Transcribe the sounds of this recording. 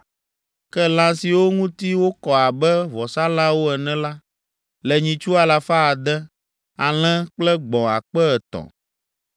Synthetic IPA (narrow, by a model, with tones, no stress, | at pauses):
kɛ˦lã˦si˨wo˦ŋũ˦t̪i˦wo˦kɔ˨a˨bɛ˦vɔ˨sa˦la˦wo˦ɛ˨nɛ̃˦la˦ | lɛ˨ɲĩ˨t͡ʃu˦a˨la˨fa˦a˨d̪ɛ˦ | a˨l̃ɛ̃˦k͡plɛ˦ɡ͡bɔ̃˨a̰˨k͡pɛ˦ɛ˨t̪ɔ̰˨